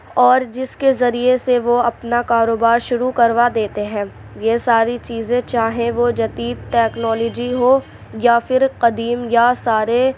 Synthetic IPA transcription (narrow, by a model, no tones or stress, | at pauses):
ɔːɾd͡ʒɪskezɐɾieseʋoɐpnakaːɾoːbaːɾʃʊɾukɐɾʋad̪eːt̪eɦɛ̃ː | jesaːɾit͡ʃiːzẽt͡ʃaːɦẽʋod͡ʒɐt̪iːd̪̚ʈɛːknɔːlɔd͡ʒiɦoː | jafɪɾqɐd̪iːmjasaːɾe